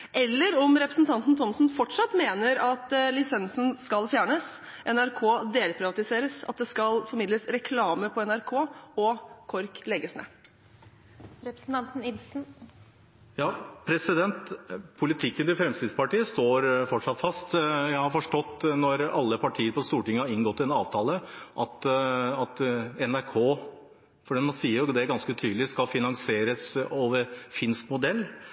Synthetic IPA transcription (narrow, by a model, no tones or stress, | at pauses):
ʔɛlːəɾɔmɾɛpɾəsn̩t̪ʰɑnt̪n̩t̪ʰɔmsnfɔʈʂɑt̪ːmeːnəɾɑt̪lɪsɛnsnskɑlfjæːɳəs | ʔɛnæɾkʰoːd̪eːlpʰɾɪʋɑt̪ɪseːɾəsɑ̰t̪̚d̪ɛskɑlfɔɾmɪd̪ləsɾɛkʰlɑːməpʰɔɛnæɾkʰoːɔkʰɔɾklɛɡəsnḛ | nt̪n̩ɪbsn̩ | jɑːpʰɾɛsɪd̪ɛnt̪pʰʊlɪt̪ʰɪkːənt̪ɪfɾɛmst̪ɪd̪spɑʈiːəst̪oːɾfɔʈʂɑt̪fɑst̪jæɪhɑɾfɔʂʈɔt̪ːnɔɾɑlːəpʰɑʈʰiːəɾpɔst̪uːʈɪŋːəhɑɾɪŋɡɔt̪ːɪɛnɑːʋt̪ʰɑːləʔɑt̪ɑt̪ɛnæɾkʰoː | fɔɖiːɑt̪mɑnsiːəɾjd̪ɛæɾɡɑnskət̪ʰyːd̪lɪskɑfɪnɑŋseːɾəsoːʋəɾfɪnsk̪mʊd̪ɛlː